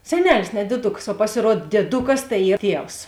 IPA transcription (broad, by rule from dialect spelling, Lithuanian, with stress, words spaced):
sʲɛˈnʲæːlʲɪs nʲɛ dʲiɛˈdʊks oː pɐsʲɪˈruɔt dʲiɛˈdʊkɐs tɐɪ ˈiː ˈtʲiɛws